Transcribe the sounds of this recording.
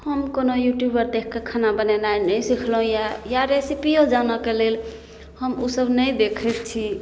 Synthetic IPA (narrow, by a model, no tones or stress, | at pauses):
həmkonojuʈjubəɾd̪ekʰkekʰanabənɛnajnəjsikʰlɦũjajaɾesipiod͡ʒanəkelel | həmusəbnəjd̪ekʰɛt̪̚t͡ʃʰi